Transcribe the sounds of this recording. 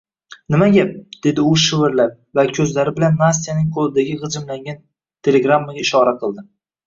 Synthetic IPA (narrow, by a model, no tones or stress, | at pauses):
nɪmaɡʲap̚d̪̥e̞d̪ɪʊʃɪvɪɾlaɾ̚ | vakʲʰɵzlaɾɪbɪlanmas̬ijanɪŋqʰolˠɪd̪aɡʲɪʁɨd͡ʒɪmlaŋɡʲan | t̪ʰe̞le̞ɡɾamːaɡʲaɪʃɒɾaqʰɨlˠd̪ɪ